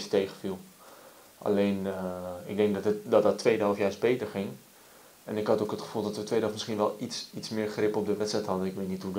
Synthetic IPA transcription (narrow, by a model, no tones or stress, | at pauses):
stejχəfilˠ | ʔa̰leːnɪk̚dɛŋk̚dɔtədɔtdɔtːʋejdəɑlˠfjaːɹsbeːtərχɪŋ | ɛnɪkɦɑtokətχə̥fulˠdɔtʋətʋeːdəɔlˠfmɪsχiənʋɛlˠitsismɪːɹχrɪpɔp̚dəʋɛtstrɛjtɦɑdənɪkʋeːtnithu